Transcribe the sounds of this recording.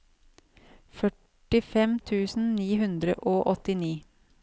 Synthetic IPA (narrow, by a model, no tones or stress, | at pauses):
fœ | ʈɪfɛmt̪ʰʉːsn̩niːhʉnd̪ɾə̰ʔoːʔɔt̪ɪniː